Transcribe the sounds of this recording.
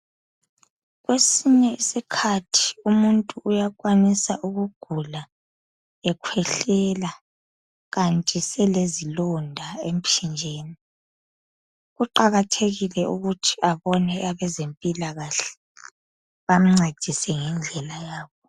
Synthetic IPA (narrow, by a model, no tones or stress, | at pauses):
ɣwesiɲɛisikʰatʰi̥umuntʼuʔːjak̬ʼwanisaʔuɣuɡ̥ʱula | ɛkʰwɛɬɛla | ɣantʼisɛlezilɔndʱaem̩t͡ʃʰind͡ʒʱeːni | ɣuǃaɣatʰeɣilɛʔuɣutʰi̥ʔaβɔnɛaβɛzempʼilaɣaɬɛ̥ | βam̩ŋ͡ǀed̥ʱisɛŋɛnd͡ɮʱɛlajaːβɔ